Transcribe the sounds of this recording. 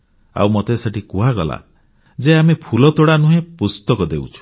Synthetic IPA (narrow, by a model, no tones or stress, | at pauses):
a̰wmɔt̪eseʈikuɦaɡɔla̰ | d͡ʒeamepʰulɔt̪uɽanuɦẽpust̪ɔkɔd̪ewt͡ʃʰu̥